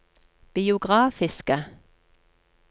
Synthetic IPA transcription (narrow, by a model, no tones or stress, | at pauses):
b̥ɪʊɡʁɑːfɪskə